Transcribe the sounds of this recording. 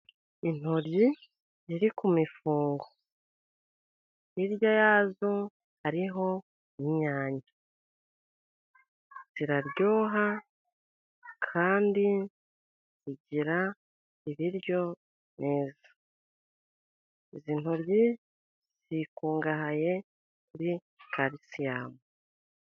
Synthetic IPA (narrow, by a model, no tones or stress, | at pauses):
in̥hoɾji | ziɾikumifuːŋɡo | iɾjajaːzo | haɾiɦo̞ | iɲaːɲa | z̥iɾaɾɟo̞ːɦa | kʰaːndi | ziɟiɾa | iβiɾjo̞ | neːzḁ | iziːnuɾɟi | z̥ikuːŋɡahaje̞ | kuɾi | kʰaɾisijaːmu